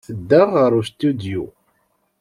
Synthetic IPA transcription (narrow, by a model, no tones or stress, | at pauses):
θəd̪ːəʁʁəɾust̪ud̪jṵ